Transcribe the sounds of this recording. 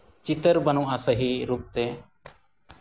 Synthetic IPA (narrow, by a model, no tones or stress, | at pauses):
t͡ʃit̪əɾbənũʔasəɦiɾup̚t̪ɛ